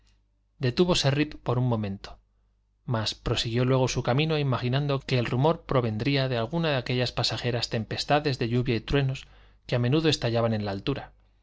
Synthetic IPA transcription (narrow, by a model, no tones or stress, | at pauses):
d̪e̞t̪uβo̞se̞ripːo̞ɾunmo̞mẽ̞nt̪o̥ | maspɾo̞siɣjo̞lwe̞ɣ̞o̞sukamĩno̞imaxinãnd̪o̞ke̞ːlrumo̞ɾpɾo̞βe̞nd̪ɾiaðe̞alɣunaðeake̞ʎaspasaxe̞ɾast̪e̞mpest̪aðe̞zðe̞ʎuβjait̪ɾwe̞no̞s | keamẽ̞nuðo̞e̞st̪aʎaβanẽ̞nlaːlt̪uɾa